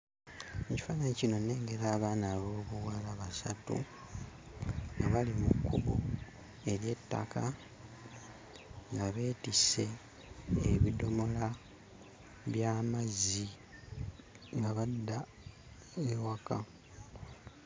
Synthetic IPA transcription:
eci̥faːnaɲicino̞ne̞ːŋɡe̞ɾaːβaːnaβo̞ːβuwalaβasatṵ | ŋɡaβalimukːuβu | e̞ɾje̞tːa̰ka | ŋɡaβe̞ːtise̞ː | βido̞mo̞la | βjaːmazi | ŋɡaβadːa | ewaka

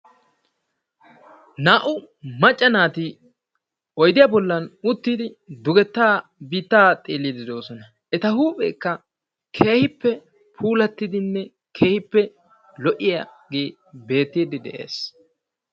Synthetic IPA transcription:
naːʔʊ | mɐt͡ʃʼːɐnaːt̪i | ɔjd̪ɪjɐbɔlːɐnʊt̪ːiːd̪ɪd̪ʊɡɛt̪ːaːbiːt̪ːaːt̪ʼeːlːid̪ɪd̪o̞ːsɔnɐ | ʔɛt̪ɐhuːpʼɛ̰ːkːɐ | kʰe̞ːhɪpːɛ | pʰuːlɐt̪ːɪd̪ɪnːɛ | kʰeːhɪpːɛ | lɔʔɪjɐɡeː | be̞ːt̪ːiːd̪ɪd̪ɛ̰ʔe̞̰ːs

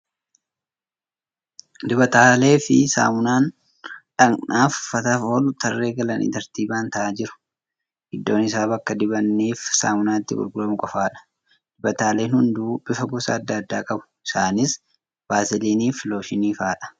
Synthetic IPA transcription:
d̪ɪbɐt̪aːle̞ːfɪsa̰ːmʊnaːn | ᶑɐŋnaːfːɐt̪ɐfoːlʊt̪ʰɐrːe̞ːɡɐlɐnʔḭt̪ɐɾt̪iːbaːnt̪ɐʔaːd͡ʒɪɾʊ̥ | hɪd̪ːo̞ːnɪs̬aːbɐkːɐd̪ɪbɐnːiːfsa̰ːmʊnaːt̪ːɪbʊ̰lɡʊlɐmʊkʼɔfaːᶑɐ̥ | d̪̥ɪbɐt̪aːle̞ːnhʊnd̪uːb̥ɪfɐɡʊsa̰ːd̪ːaːd̪ːaːkʼɐbʊ̥ɪsaːnɪs | baːsɪliːniːflo̞ːʃɪniːfaːᶑɐ̥

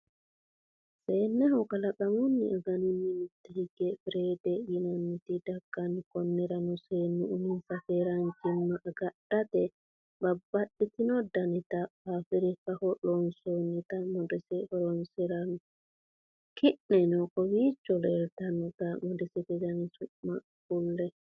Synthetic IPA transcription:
sɛnɛhɔkalaɓamunːḭɔɡanininitːahiɡɛfɾɛdɛjinanːitidaɡ̥ːankɔnːɛɾanɔsɛnuʔuninsafɛɾand͡ʒimːaʔaɡaɗːatɛ | babːaɗːitinɔdanitahafiɾifahɔɗɔnsonitamɔdɛsɛhɔɾɔnsɛɾan | kiɗːɛnɔkɔwit͡ʃːɔlɛɾtanitamɔdɛsɛtɛd͡ʒanisuma | kulːɛ

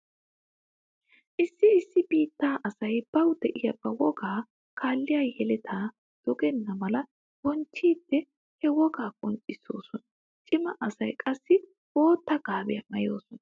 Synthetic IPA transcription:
ʔɪsːɪɪsːɪbiːt̪ːaːʔɐsɐjb̥ɐwd̪ɛʔɪjɐbːɐwɔɡaː | kʰaːlːɪjaːjɛlɛt̪ʰaː | d̪̥ɔɡɛnːɐmɐlɐ | wɔnt͡ʃːiːd̪̥ːɛ | hɛwɔɡaːkʼɔnt͡ʃʼːɪso̞ːsɔnɐ | t͡ʃʼɪmɐʔɐsɐjkʼɐsːɪ | woːt̪ːɐɡ̥aːbɛjɐmɐjo̰ːsɔnɐ

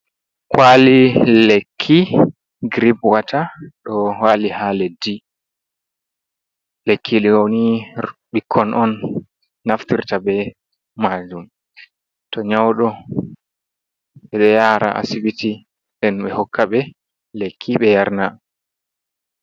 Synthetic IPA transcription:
kwalilekʰːi | ɡɾibwatʰaɗɔwalihaːlɛdi | lekʰːiɗɛwoniɓikʰːɔnʔɔnː | aftiɾtabɛ | mad͡ʒum | tɔɲawɗɔ | ɓɛɗɔjaɾa̰ʔa̰sibiti | ndɛnɓɛhɔkːaɓɛ | lekʰːiɓɛjaɾna

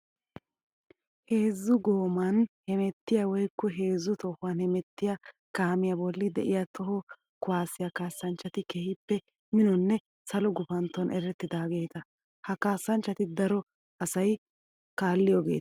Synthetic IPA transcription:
he̞ːzːʊɡoːmɐnhɛmɛt̪ːɪjawɔjkːɔɦe̞ːzːʊt̪ɔhʊanhɛmɛt̪ːɪjɐkaːmɪjɐbɔlːɪd̪ɛʔɪjɐt̪ɔɦɔ | kʊwaːsɪjakaːsːɐnt͡ʃːɐt̪ɪkɛhɪpːɛ | mɪnɔnːɛ | sɐlɔɡʊfɐnt̪ːɔnʔɛɾɛt̪ːɪd̪aːɡe̞ːt̪ɐ | hɐkaːsːɐnt͡ʃːɐt̪ɪd̪ɐɾɔ | ɐsɐj | kaːlːɪjoːɡe̞̰ːt̪

